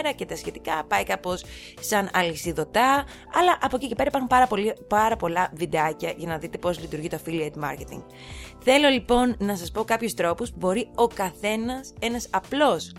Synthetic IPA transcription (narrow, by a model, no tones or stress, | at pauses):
ɾɐcet̪ɐsçe̞t̪i̥kɐpɐikɐpo̞s | sɐnɐlisiðo̞t̪ɐ | ɐlɐʔɐpo̞cice̞pe̞ɾɐipɐɾxumpɐɾɐpo̞lipɐɾɐpo̞lɐvid̪ɐcɐʝɐnɐðit̪e̞po̞zlit̪uɾʝit̪o̞filiet̪mɐ̰ɾce̞t̪ḭŋɡ | θe̞lo̞lipo̞nːɐsɐspo̞kɐpçost̪ɾo̞pospubo̞ɾio̞kɐθe̞nɐse̞nɐsɐplo̞s